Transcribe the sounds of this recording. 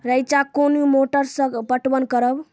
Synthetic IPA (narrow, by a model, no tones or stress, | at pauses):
ɾəjt͡ʃakonumoʈəɾsə̃ɡbəʈbənkəɾəb